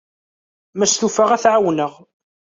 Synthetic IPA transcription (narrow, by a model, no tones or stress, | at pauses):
mæsθufaʁæθʕawnəʁ